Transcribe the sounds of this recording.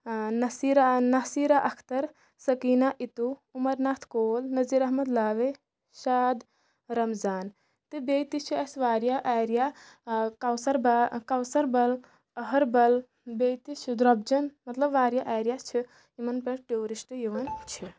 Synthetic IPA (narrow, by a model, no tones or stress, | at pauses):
nɐsiɾanɐsiːɾaʔɐkʰt̪ɐɾ | sɐkiːnaʔit̪uumɐɾnaːt̪ʰkoːlnɐziːɾɐɦmɐd̪laːʋe | ʃaːd̪ | ɾɐmzaːn | t̪ɨbeːt̪it͡ʃʰiɐsʋaːɾjaʔaːɾija | kawsɐɾbkawsɐɾbɐl | ɐɦɐɾbɐl | beːt̪it͡ʃʰid̪ɾɐb̚d͡ʒɐnmɐt̪lɐbʋaːɾjaʔaːjɾijat͡ʃʰi | imɐnpɐɾʈeoɾisʈjiʋɐnt͡ʃʰi